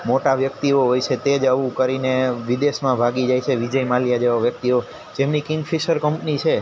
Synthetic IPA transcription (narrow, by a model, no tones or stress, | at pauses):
moʈaʋjək̚t̪ioɦojt͡ʃʰet̪ed͡ʒəʋũkəɾineʋid̪eʃmãbʱaɡid͡ʒajt͡ʃʰeʋid͡ʒəjmaljad͡ʒeʋaʋjək̚t̪io | d͡ʒemnikiŋɡfʰiʃəɾkəmpnit͡ʃʰe